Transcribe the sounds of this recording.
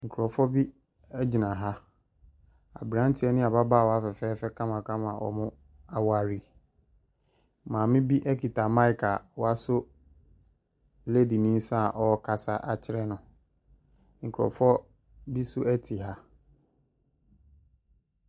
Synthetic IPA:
ŋ̩˨kʰɾɔ˨fɔ˦bi˦ | ɛ˦d͡ʑi˨nã˨ɦa˦ | a̰˨bɾã˦n˦tʰi˦ɛ˦nɪ̃˦a˨ba˦ba˦˨wɔ˨˦a˦fɛ˨fɛ˦fɛ˦kʰã˦mã˨kʰã˦mã̰˨ɔ̰˨mʊ̃˦ | a˨wa˨ɾi˨ | mãː˨mɪ̃˦bi˦ʔɛ˦kʰi˨ta˨mã˦i˨kʰa˨wɔ˦a˦sʊ˦ | le˦di˨nĩ˦sa˨ʔɔ˨˦kʰa˨sa˦ʔa˨t͡ɕʰɪ˦ɾɛ˦nʊ̃˨ | ŋ̩˨kʰɔ̰˨fɔ˦ | bi˦sʊ˦ʔɛ˦tʰi˨ɦa˦

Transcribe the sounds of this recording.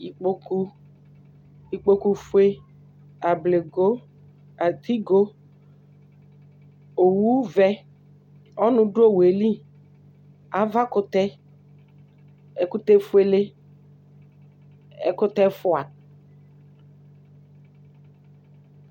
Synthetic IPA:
i˨k͡po˦ku˦ | i˦k͡po˦ku˦fu˦e˦ | a˨ble˨ɡo˦ | a˨t̪i˦ɡo˦ | o˨wu˦vɛ˦ | ɔ˦nʊ̃˦ɖʊ˦o˦˨we˨li˦ | a˨˦va˦kʊ˦t̪ɛ˦ | ɛ˨kʊ˦t̪ɛ˦fu˦e˦le˦ | ɛ̰˦kʊ˦t̪ɛ˦fʊ˦a˨

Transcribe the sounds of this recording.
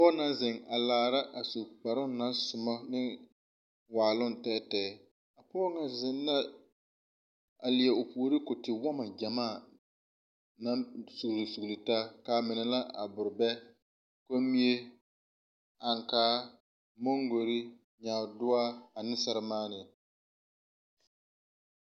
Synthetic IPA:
a˨pɔː˦na˦zɪ˨ŋa˨laː˨ɾa˦ʔa˨su˨k͡pa˨ɾʊ˦n˦na˦sʊ˨mɔ˦nɪ˦ | waː˨lʊ˦ntɛ˦tɛː˦˨ | a˨pɔː˦ŋa˨zɪ˨nːa˦ | a˨lɪ˨ɛ˨ʊ˨pu˨o˨ɾi˦ko˨tɪ˨wa˦ma˨d͡ʒa˨maː˦˨ | na˦su˨ɡli˨su˨lɪ˨taː˦kaː˦mɪ˨nɛ˨la˦a̰˨bʊ˨ɾɪ˨bɛ˦ | ko˦mi˦e˦ | a˨ŋkaː˦ | mo˦ŋɡo˨ɾi˦ | ɲaː˨dʊ˦a˦a˨nɪ˦sa˦ɾɪ˦maː˦nɪ˨a˨

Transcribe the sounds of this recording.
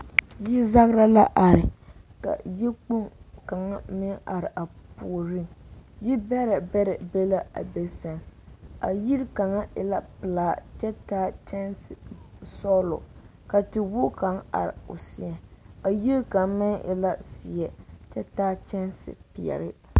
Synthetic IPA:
ji˦za˦ɣɾa˦la˦ʔa˨ɾɪ˨ka̰˨ji˦k͡pu˦ŋka˨ŋa˦mɪ˦ŋa˨ɾɪ˨ʔa˨pu˨ɾi˦ŋji˦bɛ˦ɾa˨bɛ˦ɾɛ˨bɛ˦la˦a̰˨bɛ˨sɛ˨na̰˨ji˦ɾka˨ŋa˦ʔɪ̰˨la˦pɨ˨laː˨˦˨t͡ʃɛ˦taː˦t͡ʃɛ˦nsɪ˨sɔ˦lɔ̰˨ka˨tɪ˨wʊ˦ka˨ŋa̰˨ɾɪ̰˨ʊ̰˨si˦ɛ˨a˨ji˦ɾka˨ŋmɪ˦ŋʔɪ̰˨la˦si˨jɛ˦t͡ʃɛ˦taː˦t͡ʃɛ˦nsɪ̰˨pi˨ɛ̰˨ɾɪ˦

